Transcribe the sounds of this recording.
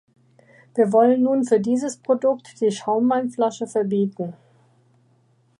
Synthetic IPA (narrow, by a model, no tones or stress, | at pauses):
viːɐvɔlənːuːnfyːɐdiːzəspʁ̥odʊktd̥iːʃaʊmvaɪnflaʃəfɛɐbiːtn̩